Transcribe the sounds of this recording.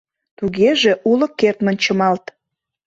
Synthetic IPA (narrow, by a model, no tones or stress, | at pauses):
t̪uɣeʒeʔulɤ̆kːert̪mə̆nʲt͡ɕəmɑlt̪